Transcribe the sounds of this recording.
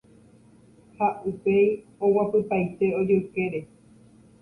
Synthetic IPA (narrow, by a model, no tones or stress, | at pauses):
haupej | owapɨpajt̪e̞od͡ʒeukeɾe